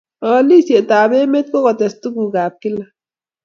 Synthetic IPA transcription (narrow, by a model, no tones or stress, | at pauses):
ɔːliseʔt̪aːbemet̪̚kokɔt̪est̪ukuɡaːp̚kila